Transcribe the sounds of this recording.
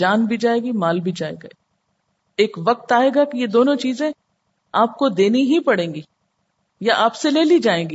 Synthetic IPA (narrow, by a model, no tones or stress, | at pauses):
d͡ʒaːnbʱid͡ʒaːeːɡimaːlbʱid͡ʒaːḛːɡa̰ | eːkʋɐq̚t̪aːeːɡakijed̪oːnõt͡ʃiːzẽ | aːp̚kod̪eːniɦipɐɽẽːɡiː | jaʔaːpseleːlid͡ʒaːẽːŋɡiː